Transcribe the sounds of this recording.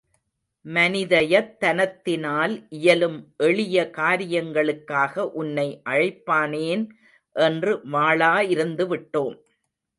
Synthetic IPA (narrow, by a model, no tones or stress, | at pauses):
mɐnɪðɐjɐt̪ːɐnɐt̪ːɪnaːlʔɪjɐlɯmʔɛɭɪjɐkaːɾɪjɐŋɡɐɭɯkːaːɣɐʔʊnːɐɪʔɐɻɐɪpːaːneːn | ʔɛndrɯʋaːɭaːɪɾɯnd̪ɯʋɪʈːoːm